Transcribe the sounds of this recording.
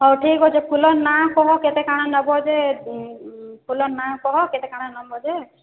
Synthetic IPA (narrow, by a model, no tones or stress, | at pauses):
ɦɔwʈʰikɦɔd͡ʒepʰulɔnakɔɦɔket̪ɛkaɽ̃anɔbɔd͡ʒe | pʰulɔnakɔɦɔkɛt̪ɛkaɽ̃anɔbɔd͡ʒe